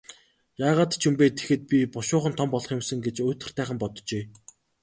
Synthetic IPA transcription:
jaːʁaːt̪t͡ɕʰumpeːt̪ʰe̥xɘ̆t̪̚pʲipɔʃʊːχə̆nt̪ʰɔmpɔɮɞ̆χɪmsə̆ŋɡet͡ɕɵːt̪ɘ̆r̥t̪ʰæːχə̆mpɔt̪t͡ɕeː

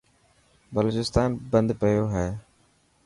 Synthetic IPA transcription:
bəloːt͡ʃɪst̪aːnbə̃nd̪pəjoːɦɛː

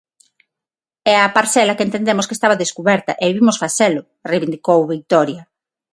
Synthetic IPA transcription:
ɛɐpaɾθɛlɐkent̪end̪emʊskest̪aβɐðeskuβɛɾt̪ɐʔeβiβimʊsfaselʊ | rejβind̪ikowβik̚t̪ɔɾja

